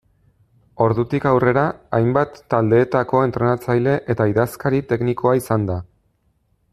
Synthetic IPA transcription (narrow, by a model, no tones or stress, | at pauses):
o̞ɾðut̪ikawre̞ɾaajmbat̪ːald̪e̞ːt̪ako̞e̞nt̪ɾe̞nat͡sajle̞ʔet̪aiðaskaɾit̪e̞kniko̞aisand̪a